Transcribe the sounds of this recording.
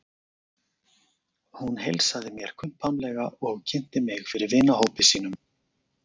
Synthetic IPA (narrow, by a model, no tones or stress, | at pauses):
hunɦejlsaðɪmjɛɾ̥kʰvʏnt̪̚pʰamlɛɣaʔɔɣcʰɛn̥t̪ɪmɪɣfɪɾɪɾvɪnahoːwpɪsiːn̪ʏm